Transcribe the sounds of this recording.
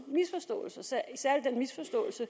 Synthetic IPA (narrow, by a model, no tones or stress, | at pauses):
misfɒsd̥ɔ̰̽ːl̩səsæɐisæɐ̰lid̥enmisfɒ̽sd̥ɔ̰ːl̩sə